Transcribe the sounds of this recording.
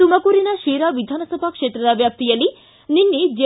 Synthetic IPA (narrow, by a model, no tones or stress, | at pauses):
t̪umɐkuːɾinɐʃeːɾaʋid̪ʱaːnɐsɐbʱɐkʂeːt̪ɾɐd̪ɐʋjaːp̚t̪ijɐlːi | ninːed͡ʒe